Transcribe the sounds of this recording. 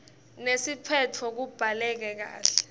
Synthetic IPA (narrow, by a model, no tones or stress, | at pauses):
nesipʰɛtʰɔk̬ub̥ʱalɛk̬ɛk̬a̰ːɬɛ̥